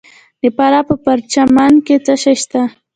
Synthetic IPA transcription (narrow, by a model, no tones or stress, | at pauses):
d̪epaɾapəpaɾt͡ʃamaŋket͡saʃaʃt̪a